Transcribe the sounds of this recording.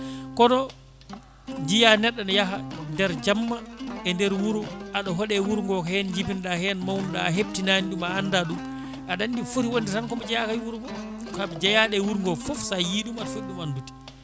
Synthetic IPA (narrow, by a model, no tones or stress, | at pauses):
kɔnɔ | d͡ʒijanɛɗːɔnjaɦandɛɾd͡ʒamːaɛndɛɾwuɾuʔaɗɔɦɔɗɛwuɾŋɡɔkɛnd͡ʒipinɗahɛnmawnuɗa̰ːɦeb̚tinaniɗumaːnːdaɗum | ʔaɗandifuɾiwonditankɔmad͡ʒɛjakajwuɾuɡɔ | kad͡ʒajaɗɛwuɾŋɡɔfɔfsajiɗumaɗɔfeɗːumanduti̥